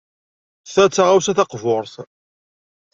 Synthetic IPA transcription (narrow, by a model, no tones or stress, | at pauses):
θæt͡sːaʁawsæθɑqvʊɾˤθ